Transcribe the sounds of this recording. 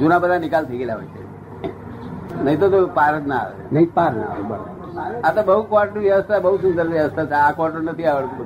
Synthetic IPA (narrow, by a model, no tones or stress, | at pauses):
d͡ʒunabəd̪ʱanɪkalt̪ʰəɡeljaɦo̰jtḛ | nəɦit̪̬ot̪opaɾət̪naa̰ʋḛnəɦipaɾna̰ṵbəɽo̰b | at̪abəɦukʋaɾʈːiʋjəʋəst̪ʰabəɦusund̪əɾʋjəʋəst̪ʰat͡ʃʰeakʋaɾʈonət̪ʰiaʋəɭt̪k